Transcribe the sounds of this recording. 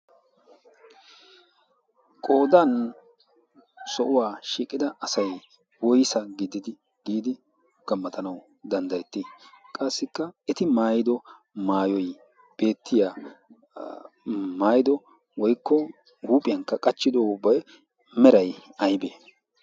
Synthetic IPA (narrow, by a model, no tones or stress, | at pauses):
kʼo̞ːd̪ɐn | sɔʔʊwaːʃiːkʼːɪd̪ɐʔɐsɐj | wɔjsɐɡɪd̪ɪd̪ɪ | ɡ̥iːd̪ɪ | ɡ̥ɐmːɐt̪ʰɐnɐw | d̪ɐnd̪ɐjɛt̪ːɪkʼaːsːɪkːɐɛt̪ɪmaːjɪd̪ɔ | maːjɔj | b̥e̞ːt̪ːɪjaː | maːjɪd̪ɔ | wɔjkːɔ | huːpʼɪjɐŋkːɐkʼɐt͡ʃːɪd̪oːʊbɐjɛ | mɛɾɐjɐjbeː